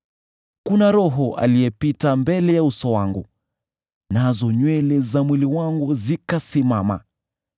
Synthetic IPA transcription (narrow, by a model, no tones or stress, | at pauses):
kunaɾɔɦɔʔa̰lijɛpitambɛlɛjausɔwaŋɡu | nazɔɲwɛlɛzamwiliwaŋɡuzikasimama̰